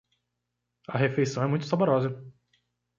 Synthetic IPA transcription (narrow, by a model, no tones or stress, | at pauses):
ɐɦefejsɐ̃w̃ɛmũj̃t̪ʊsaboɾɔzɐ